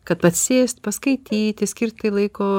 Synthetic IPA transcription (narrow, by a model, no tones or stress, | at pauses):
kɐt̪̚pɐt̪ʲsʲeːsʲt̪ʲpɐskɐɪt̪ʲiːt̪ʲɪsʲkʲɪrt̪̚ʲt̪ɐɪlˠɐɪkoː